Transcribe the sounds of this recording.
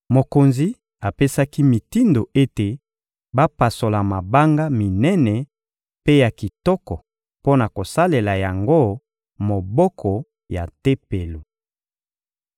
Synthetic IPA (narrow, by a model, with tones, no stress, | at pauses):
mo˨ko˨nzi˦ | a˨pe˦sa˦ki˦mi˨ti˦ndo˨ʔe˦te˨ | ba˦pa˨so˨la˨ma˨ba˦ŋɡa˦mi˨nɛ˦nɛ˨ | pe˦ja˨ki˨tɔ˦kɔ˨ | po˦na˨ko˨sa˦le˨la˨ja˨ŋɡo˦ | mo˨bɔ˦kʰɔ˨ | ja̰˨te˦pe˨lu˨